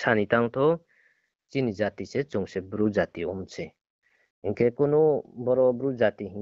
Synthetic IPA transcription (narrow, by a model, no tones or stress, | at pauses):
sʰanit̪aŋt̪ʰɔ | t͡ʃinid͡ʒat̪iset͡ʃuŋsebɾud͡ʒat̪iɔmt͡ʃʰɛ | iŋkʰekunɔbɔɾɔbɾud͡ʒat̪iɦi